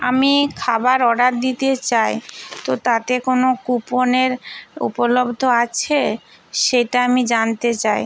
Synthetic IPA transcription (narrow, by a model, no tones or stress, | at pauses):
amikʰabaɾɔɖaɾ̚d̪it̪et͡ɕajt̪ot̪at̪ekonokuponeɾṵpolobd̪ʱoat͡ɕʰe | ʃejʈaamid͡ʑant̪et͡ɕaj